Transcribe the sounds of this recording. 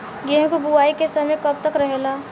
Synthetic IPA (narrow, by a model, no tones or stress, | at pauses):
ɡɛɦkubuaːikesəmejkəb̚t̪əkɾəɦela